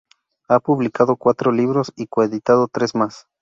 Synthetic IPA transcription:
apuβlikaðokwat̪ɾoliβɾosikoeðit̪aðot̪ɾesmas

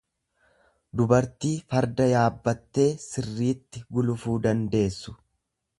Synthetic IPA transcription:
d̪ʊbɐɾt̪iːfɐɾd̪ɐjaːbːɐt̪ːe̞ːsɪrːiːt̪ːɪɡʊlʊfuːd̪ɐnd̪e̞ːsːʊ̥

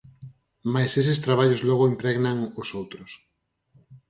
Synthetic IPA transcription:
majsesest̪ɾaβ̞aʎozlɔɣ̞oimpɾɛɣnaŋosowt̪ɾʊs

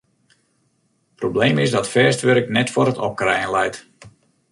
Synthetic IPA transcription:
probleːmɪsdɔtfɛːstʋøɾəknɛtfɔɾətɔ̰p̚krɛjənlɛjt

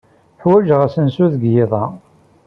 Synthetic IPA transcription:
ħwæʒʁæsənsuðəɡjɪðˤɑ

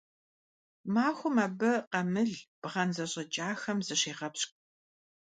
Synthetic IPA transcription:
maːxʷʊmaːbɐqɐmɨɮb̥ʁɐnzɐɕʼɐd͡ʒʼaːxɐmzɨɕeːʁɐpɕkʼ

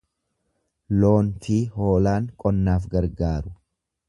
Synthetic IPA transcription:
lo̞ːnt̪iːhoːlaːŋkʼɔnːaːfɡɐɾɡaːɾʊ̥

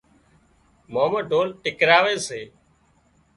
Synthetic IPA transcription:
moːməɖʱoːnʈɪkɾaːʋeːseː

